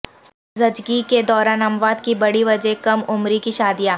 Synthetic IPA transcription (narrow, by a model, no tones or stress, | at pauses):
zɐd͡ʒɡiked̪ɔːɾaːnɐmʋaːd̪kibɐɽiʋɐd͡ʒekɐmʊmɾikiʃaːd̪ijaː